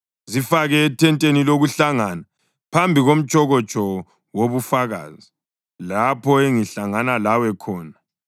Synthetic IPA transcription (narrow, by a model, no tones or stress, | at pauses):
zifaɣɛːtʰɛntʼeniloɣuɬaŋana | pʰambʱiɣom̩t͡ʃʼɔɣɔt͡ʃʼɔ | woβufaɣa̰ːzi | lapʰɔeŋiɬaŋanalawɛkʰɔːna